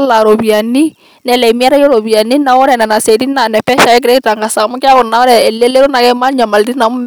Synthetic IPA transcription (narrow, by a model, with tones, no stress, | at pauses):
la˨ɾo˨βja˨ni˦ | nɛ˨lɛ˨mi˦a˦ɾa˦jɔ˦ɾo˨βja˨ni˦na˨˦ɔ˦ɾɛ˨nɛ˨na˨sɛ˨ti˦na˨nɛ˨pɛ˦ʃa˨jɛ˦k̬ɪɾɛ˦ɾa˨ŋɡa˨sa˨mɔ˦kja˦kɔ˨na˨ɔ˦ɾɛ˨ɛ˨le˦le˦ɾo˦na˨kɛ˦ma˦ɲa˨ma˨lti˦na˨m˦